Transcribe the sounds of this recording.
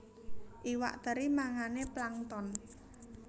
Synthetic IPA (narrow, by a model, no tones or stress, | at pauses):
ʔiwa̰ʔt̪əɾimaŋaneplaŋt̪ɔn